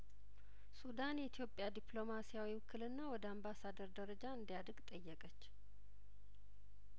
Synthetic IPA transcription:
sud̪anjɛit̪ʰjo̞pʼjad̪ipʼlo̞masijawiwkʰɨlɨnːawɔd̪əambasad̪əɾd̪əɾəd͡ʒaɨnd̪ijad̪ɾɡt̪ʼəjːɛkʼət͡ʃː

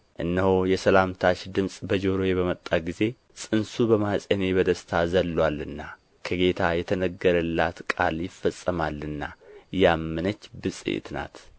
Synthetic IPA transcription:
ʔɨ̰nːəhojɛsəlamt̪ʰaʃd̪ɨmsʼbəd͡ʒo̞ɾojeβəmət̪ʼːaɡize̞ | sʼɨnsubəmasʼene̞bəd̪əst̪ʰazəlːwalːɨnːa | kʰəɡe̞t̪ʰajɛt̪ʰənəɡːəɾɨlːat̪kʼa̰ljɪfːəsʼːəmalːɨnːajamːɨnət͡ʃːbɨsʼḭɪ̰t̪na̰t̪

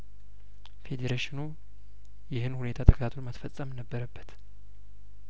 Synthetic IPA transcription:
fe̞d̪eɾaʃɪnu | jɪhɨnhune̞t̪ʰat̪ʰəkʰət̪ʰat̪ʰonmət̪fəsʼːəmnəbːəɾəbːət̪

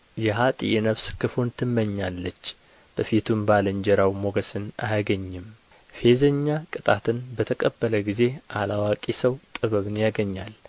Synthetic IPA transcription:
jɛɦat̪ʼḭʔenəβskʰɨfo̞nt̪ʰɨmːəɲːalːət͡ʃː | b̥əfit̪ʰumbaləɲd͡ʒɛɾawmo̞ɡəsɨna̰jaɡəɲːɪm | fe̞zəɲːakʼɨt̪ʼat̪ʰɨnbət̪ʰəkʼəbːələɡize̞ʔalawakʼisəwt̪ʼɨβəβɨnjaɡəɲːal

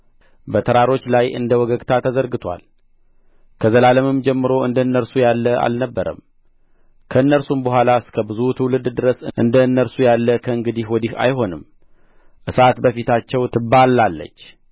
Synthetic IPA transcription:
bət̪ʰəɾaɾo̞t͡ʃːlajɨ̰nd̪əwɔɡəɡʼt̪ʰat̪ʰəzəɾɡɨt̪ʰwa̰l | kʰəzəlaləmɨmd͡ʒɛmːɨɾo̞ɨnd̪ənːəɾsujalːəʔa̰lnəbːəɾə̰m | kʰəɨnːəɾsumbəɦʷalaɨskʰəbɨzut̪ʰɨwulɨd̪d̪ɨɾəsɨʔɨnd̪ənːəɾsujalːəkʰəɨŋɡɨd̪ihwɔd̪iha̰jɦo̞nɨm | ʔɨsat̪bəfit̪ʰat͡ʃːɛwt̪ʰɨbalːalːə̰t͡ʃː

